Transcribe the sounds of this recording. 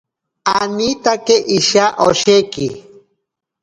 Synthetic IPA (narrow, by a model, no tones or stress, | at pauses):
anit̪akeʔiʃaʔoʃeki